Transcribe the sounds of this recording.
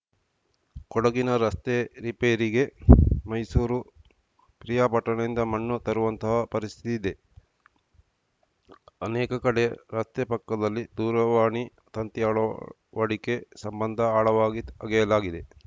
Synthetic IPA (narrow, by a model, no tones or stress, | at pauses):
kɔɽɐɡinɐɾɐst̪eɾipeːɾiɡe̞mɐjsuːɾu | pɾijaːpɐʈːɐɳɐind̪ɐmɐɳːut̪ɐɾuʋɐnt̪ɐɦɐpɐɾist̪ʰit̪id̪e̞ | ɐnɛːkɐkɐɽeɾɐst̪epɐkːɐd̪ɐlːid̪uːɾɐʋaːɳi | t̪ɐnt̪jaːɭɐ | ʋɐɽike̞sɐmbɐnd̪ʱɐaːɭɐʋaːɡiɐɡɛjɐlaːɡid̪e